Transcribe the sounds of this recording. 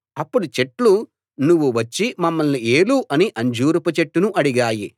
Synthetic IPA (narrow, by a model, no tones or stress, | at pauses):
ɐpːuɽut͡ʃe̞ʈlu | nuʋːuʋɐt͡ʃːimɐmːɐlnie̞ːluʔɐniʔɐɲd͡ʒuːɾupɐt͡ʃeʈːunuʔɐɽiɡaːjḭ